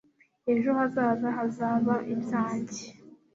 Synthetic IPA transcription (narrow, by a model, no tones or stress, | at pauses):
eʒohazaːzaɦazaːβaʔibjaːɲɟe